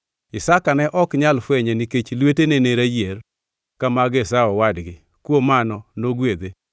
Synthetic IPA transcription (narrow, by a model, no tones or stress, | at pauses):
ɪsakanɛʔɔkɲalfwɛɲɛniket͡ʃlweteneneɾajer | kamaɡesaɔwadɡɪ | kwomanɔnoɡwed̪e